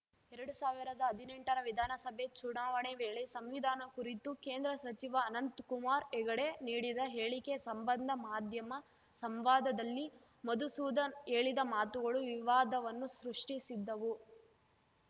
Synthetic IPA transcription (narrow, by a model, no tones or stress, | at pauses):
ɛɾɐɽusaːʋiɾɐd̪ɐːd̪ʱineɳʈɐɾɐʋid̪ʱaːnɐsɐbʱet͡ʃuɳaːʋɐɳeʋeːɭesɐmʋid̪ʱaːnɐkuɾit̪ukeːnd̪ɾɐsɐt͡ʃiʋɐːnɐnt̪kumaːɾɛɡɐɽe̞niːɽid̪ɐɦe̞ːɭikesɐmbɐnd̪ʱɐmaːd̪ʱjɐmɐ | sɐmʋaːd̪ɐd̪ɐlːi | mod̪usud̪ɐeːɭid̪ɐmaːt̪uɡɐɭuʋiʋaːd̪ɐʋɐnːusɾuʂʈisid̪ːɐʋu